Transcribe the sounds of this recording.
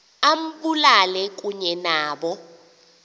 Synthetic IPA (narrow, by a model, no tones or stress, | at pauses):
am̩ɓulalɛk̬uɲɛnaːɓɔ